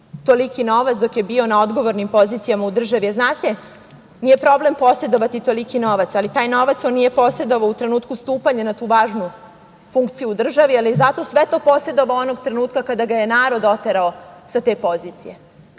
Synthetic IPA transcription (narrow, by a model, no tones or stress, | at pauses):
t̪o̞likino̞ʋat̪d̪o̞kje̞bio̞nao̞d̪ɡo̞ʋoɾnimpo̞ziːt̪sijamaud̪r̩ʒaʋieznaːt̪e̞ | nijepɾo̞ble̞mpo̞se̞d̪o̞ʋat̪it̪o̞likino̞ʋat̪salit̪aːjno̞ʋat̪so̞nːije̞po̞se̞d̪o̞ʋaout̪ɾe̞nuːt̪kust̪uːpaɲenat̪uːʋaːʒnu | fuŋkt̪sijuːd̪r̩ʒaʋializat̪o̞sʋet̪o̞ːpo̞se̞d̪o̞ʋao̞no̞ɡt̪ɾe̞nuːt̪kakad̪aɡaje̞naːɾo̞d̪o̞t̪eɾaosat̪e̞ːpo̞ziːt̪sḭje